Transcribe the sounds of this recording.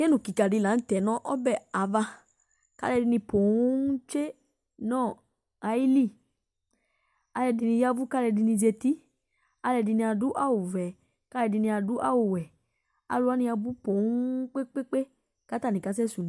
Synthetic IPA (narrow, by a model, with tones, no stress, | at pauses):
ke˦nũ˨ki˨ka˨di˨˧˨la˨˦n̩˦tɛ˨nɔ̃˦ʔɔ˦bɛ˦˨a˨˦va˧ | ka̰˦lɛ˧di˧nĩ˧po˨ũ˦n̩˦t͡ʃe˦ | nɔ̃ː˦˨ | a˨˦i˦li˦˨ | a˧lɛ˧˨di˧nĩ˧ja˦bu˦ka˦lɛ˧di˧nĩ˧ze˧ti˦ | a˧lɛ˧di˧nĩ˧a˧du˨˦ʔa˦˨wu˨vɛ˨ | ka˦lɛ˧di˧nĩ˧a˧du˨˦ʔa˦˨wu˨wɛ˨ | a̰˧lu˧˦a˦nĩ˧a˧bu˦po˨˦k͡pe˦k͡pe˦k͡pe˦ | ka˨˦ta˦˨nĩ˨ka˧˦s̬ɛ˦su˨n˨